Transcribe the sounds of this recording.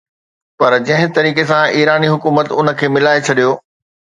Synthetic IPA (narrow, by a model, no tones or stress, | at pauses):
pɐɾd͡ʑɐ̃ɦɪ̃t̪ɐɾiːk̬esãiːɾaːniɦʊkuːmət̪ʊnə̆kʰeːmɪlaːet͡ɕʰɐɗijoː